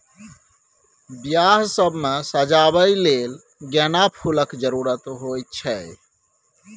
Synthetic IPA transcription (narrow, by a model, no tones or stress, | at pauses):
bjaːɦsəbʱmesəd͡ʒabəileːl | ɡɛnapʰuləkd͡ʒəɾuːɾət̪ɦojt͡ʃʰɛ